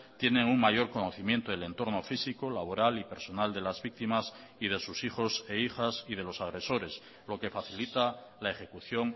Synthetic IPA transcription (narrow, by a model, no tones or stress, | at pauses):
t̪je̞nẽ̞ŋuŋmaʝo̞ɾko̞no̞θimje̞nt̪oðele̞nt̪o̞ɾno̞fisikolaβ̞o̞ɾalipe̞ɾso̞nald̪e̞lazβik̚t̪imas | ið̞e̞susixo̞seixasið̞e̞lo̞saɣ̞ɾe̞so̞ɾe̞s | lo̞ke̞faθilit̪alae̞χe̞kuθjo̞ŋ